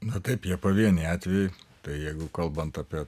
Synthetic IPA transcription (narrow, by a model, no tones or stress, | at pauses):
nɐt̪ɐɪpjiɛpoːʋʲiɛnʲɪɑːt̪ʲʋʲɛjɪt̪ɐɪjɛɪɡʊkɐlˠbɐnt̪ɑːpʲiɛ